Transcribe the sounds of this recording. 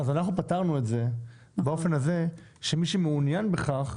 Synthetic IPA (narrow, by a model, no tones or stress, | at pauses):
azanaχnupataʁnuetze̞ | bao̞fe̞naze̞ʃemiʃemeunjanbe̞χaχ